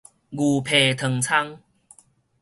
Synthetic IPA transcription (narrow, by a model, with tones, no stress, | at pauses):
ɡu˨˩pʰe˨˩t̪ʰə˨ŋt͡sʰa˦˥ŋ